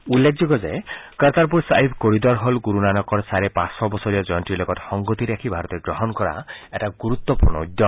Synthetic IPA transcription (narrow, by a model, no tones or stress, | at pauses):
ulːek̚ʰd͡ʒɔɡɔd͡ʒekəɾt̪aɾp̬uɾsaibkoɾid̪ɔɾɦɔlɡuɾunanɔkɔɾsaɾepãsɔbɔsɔɾiɔd͡ʒɔnʈilɔkɔtxɔŋɡɔt̪iɾakʰibʱaɾɔt̪eɡɾɔɦɔnkɔɾa̰eʈaɡuɾut̪ːwɔpuɾnɔud̪jɔ